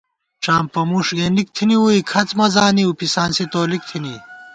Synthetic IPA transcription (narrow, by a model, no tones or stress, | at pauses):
ʈ͡ʂaːmpɐmuʂɡeːnik̚t̪ʰiniwuikʰɐt͡smɐzaːniupisaːnsit̪oːlik̚t̪ʰini